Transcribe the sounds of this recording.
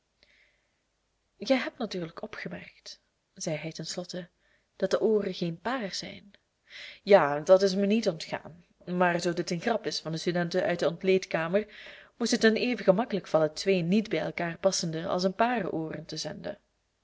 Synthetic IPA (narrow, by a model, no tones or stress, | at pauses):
ɣɛjɦɛp̚tnatyːrləkɔpχəmɛ̰rkt | z̥ɛjɦɛjtɛnslɔtə | d̥ɑt̚d̥əʔoːrənxeːnpaːrsɛ̰jn | jaːdɑtɪs̬mənitɔntxa̰ːn | maːrzoːdɪtənxrɑpɪsfɑndəstydɛntənœ̰ɥt̚dəɔntleːtkaːmərmutətəneːvəɣəmɑkələkfɑlˠətʋeːnidbɛjɛlˠkaːrpɑsəndəʔɑ̰lˠsənpaːrə̰ʔoːrəntəzɛndə̰